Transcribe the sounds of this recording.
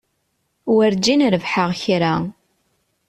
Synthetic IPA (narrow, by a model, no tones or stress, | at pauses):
wəɾd͡ʒinɾəvħəʁçɾa